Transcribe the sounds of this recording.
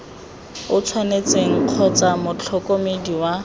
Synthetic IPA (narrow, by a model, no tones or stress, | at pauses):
ʊt͡sʰwanet͡seŋ̩q͡χʰɔt͡samʊt͡ɬʰɔkʼomediwa